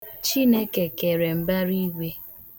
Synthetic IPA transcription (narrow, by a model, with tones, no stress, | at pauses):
t͡ʃi˦ne˦ke˨ke˨ɾe˨m̩˨ba˦ɾi˦ɡʷe˦